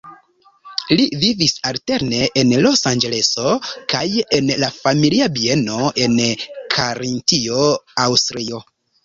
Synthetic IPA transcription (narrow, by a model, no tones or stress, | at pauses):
livivisalte̞ɾne̞ʔenlo̞sand͡ʒe̞le̞so̞kajenlafamiliabie̞no̞e̞nkʰaɾintio̞awstɾio̞